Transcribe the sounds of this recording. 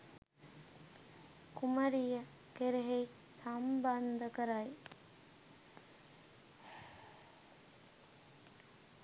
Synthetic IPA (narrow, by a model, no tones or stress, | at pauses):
kuməɾijə | keɾeɦej | samband̪əkəɾaj